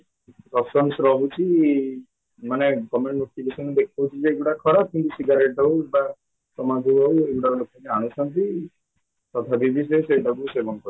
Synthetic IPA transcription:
ɾɔsɔnsɾɔbut͡ʃʰi | manekɔmeɳɖnoʈiɡesɔnd̪ek̚ʰt̪ʰɔɦut͡ʃʰid͡ʒeːɡuɽakʰɔɾap̚kint̪usiɡaɾeʈɔɦueɡba | sɔmad͡ʒ̪ʱuɔueɡuɽaɾlokɔkiañusɔnt̪i | t̪ɔt̪ʰabib̪ʱis̬eseɖɔɡusebɔnkɔɾ

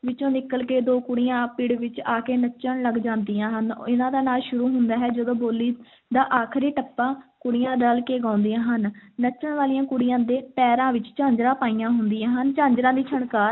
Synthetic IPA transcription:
ʋɪt͡ʃõːnɪkəlkeːd̪oːkʊɽijãːpiːɽʋɪt͡ʃaːkeːnət͡ʃːəɳləɡd͡ʒãːnd̪ijãːɦənɪnãːd̪aːnaːlʃʊɾuːɦʊnd̪aːɦɛːd͡ʒəd̪õːboːlːiː | d̪aːʔaːkʰɾiːʈəpːãːkʊɽɪjãːɖalkeːɡãːʊ̃nd̪ijãːɦənːət͡ʃːəɳʋaːlijãːkʊɽɪjãːd̪eːpɛːɾãːʋɪt͡ʃt͡ʃãːɲd͡ʒɾãːpaːijãːɦʊnd̪ijãːɦənt͡ʃãːɲd͡ʒɾãːd̪iːt͡ʃʰəɳkaːɾ

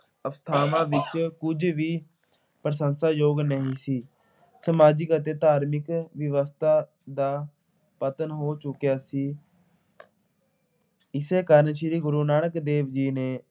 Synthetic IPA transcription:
əst̪ʰaːmãːʋɪt͡ʃkʊd͡ʒʋiː | pɾəsənsaːjoːɡnəɦĩːsiː | səmaːd͡ʒɪkət̪eːt̪aːɾmɪkʋɪʋəst̪ʰaː | d̪aː | pət̪ənɦoːt͡ʃʊkjaːsiː | ɪseːkəɾnʃɾiːɡʊɾuːnaːɳ̃əkd̪eːʋd͡ʒiːneː

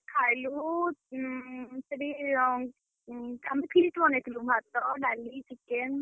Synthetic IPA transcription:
kʰajlu | səɽi | amipʰliʈbɔnet̪ʰlubʱat̪ɔɖalisiken

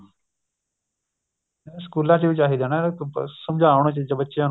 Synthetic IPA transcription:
skuːlãːt͡ʃiʋɪt͡ʃaːɦiːd̪eːnasəmd͡ʒʱaːʋɽ̃õːt͡ʃd͡ʒbətːʃjãːn

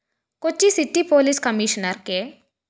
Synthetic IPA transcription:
kot͡ɕːisiʈipoliskəmiɕnəɾke

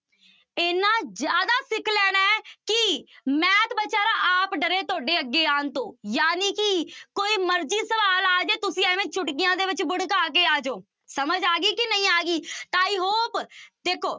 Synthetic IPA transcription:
eːnãːd͡ʒjaːd̪aːsɪkʰlɛːnɛːkɪmɛ̃ːt̪bətːʃaːɾaːʔaːpɖəɾeːt̪oːɖeːəɡːeːaːnt̪õːjaːniːkɪkoːiːməɾd͡ʒiːsəbaːlaːd͡ʒeːt̪ʊsĩːɛːʋẽːt͡ʃʰʊʈkɪjãːd̪eːʋɪt͡ʃbʊɽkaːkeːaːd͡ʒoː | səməd͡ʒaːɡiːkɪnəĩːaːɡiːt̪aːiːɦoːpd̪eːkʰoː

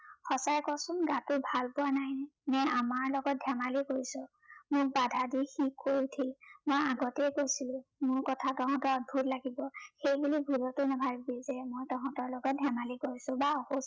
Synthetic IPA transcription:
xɔsajkɔsʊnɡãtʊbʱalpʊwanajnɛnɛamaɹlɔɡɔt̚dʱamalikoɹisɔ̃ | mʊk̚badʱadixikːojtʰilmojaɡɔtɛjkojsilʊ̃mʊɹkɔtʰaɡaɦɔ̃tɔɔd̚bʱutlaɡibɔxejbulibʱulɔtʊnɛbʱaɹbɛzɛmojtɔɦɔ̃tɔɹlɔɡɔt̚dʱjamalikoɹisʊ̃baɔhos

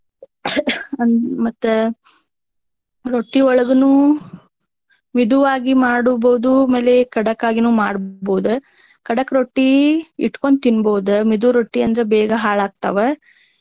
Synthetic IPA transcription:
ɐnmɐt̪ːu | ɾoʈːiɔɭɐɡɐnu | mid̪uʋaːɡimaːɽuboːud̪umeːlekɐɽɐkːaːɡinuːmaːɽboːud̪u | kɐɽɐkːɾoʈːiḭʈkoɳt̪inboːud̪umid̪uɾoʈːiɐnd̪ɐɾebɛːɡɐɦaːɭaːɡ̚t̪ɐʋe

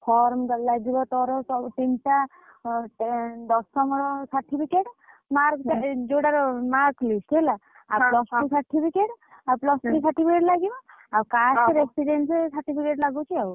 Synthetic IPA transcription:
pʰɔɾmdɔlaɡibɔt̪ɔɾɔsɔʈinta | d̪ɔstɔmɔɾɔsaʈʰːipʰikeʈ | maɾkd͡ʒoɽaɾɔmaɾklisʈla | awlɔsʈisaʈʰːipʰikeʈ | awplɔsisaʈipʰikeʈlaɡibɔ | awkasɾesiɖensesaɾʈipʰikeʈlaɡut͡ʃʰiaw

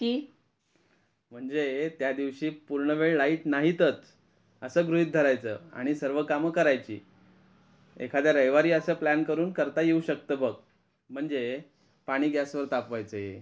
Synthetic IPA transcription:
t̪iː | m̤əɳd͡zet̪jad̪iʋɕiːpuɾɳəʋeɭlaiʈnaɦit̪ət͡s | əsəːɡɾuɦit̪̚d̪ʱəɾajt͡sə̰ːa̰ɽ̃isəɾʋəkaməkəɾajt͡ɕḭː | ḛkʰad̪jaɾəjʋaɾiːəsəːplænkəɾuːnkəɾt̪ajeuɕək̚t̪əːbʱəɡ | m̤əɳd͡ze | paɽ̃iːɡjasʋəɾt̪apʋajt͡səjḛ

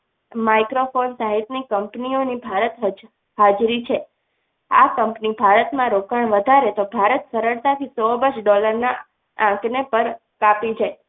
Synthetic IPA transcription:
maikɾofonsaɦit̪nikəmpnionibʱaɾət̪ɦ | had͡ʒɾit͡ʃʰe | a̰kəmpnibʱaɾət̪mãɾokəɳʋəd̪ʱaɾet̪obʱaɾət̪səɾəɭt̪at̪ʰisɔbəɾʃɖɔləɾna | ãknepəɾ | kapid͡ʒae

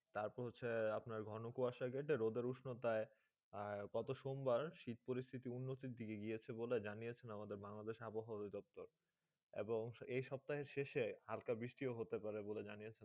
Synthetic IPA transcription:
t̪aɾpɔɾɦot͡ɕʰeapnaɾɡʱɔnokuaʃaɡeʈeɾod̪eɾuʃnot̪ae | ɡ̥ɔt̪oʃombaɾʃit̪̚poɾist̪ʰit̪iunːot̪iɾd̪ʱikeɡiet͡ɕʰeboled͡ʑanijet͡ɕʰenamad̪eɾbaŋlad̪eʃaboɦad̪id̪ɔp̚t̪oɾ | ḛboŋejʃɔb̚t̪aɦeɾʃeʃehalkabɾiʃʈioɦot̪epaɾeboled͡ʑaniet͡ɕʰen

